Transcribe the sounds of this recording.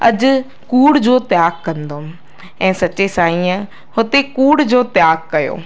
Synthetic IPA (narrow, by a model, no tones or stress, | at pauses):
ɐd͡ʑʊ | kuːɽd͡ʑoːt̪jaːɡkɐ̃nd̪o | ɛ̃ːsɐt͡ɕesaːĩə̃ | hʊt̪ekuːɽd͡ʑoːt̪ɪjaːɡ̚kɐjo̰ː